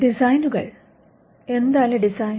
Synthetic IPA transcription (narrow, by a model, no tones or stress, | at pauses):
ɖisɐjnuɣɐ̰ɭ | e̞nd̪aːleɖisaːj